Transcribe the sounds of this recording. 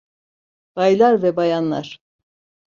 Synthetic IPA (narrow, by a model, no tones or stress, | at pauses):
b̥ajlˠaɾvɛbajanlˠa̰ɾ̥